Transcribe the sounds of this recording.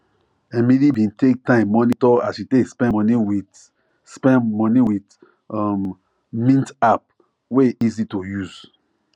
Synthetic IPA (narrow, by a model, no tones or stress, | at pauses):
ɛmilibĩntek̚tãɪ̃mːɔnitɔasʃitekspɛ̃ɔniwi | spɛ̃nmɔniwit | ɔm | mĩntap̚ | weizitojuz̥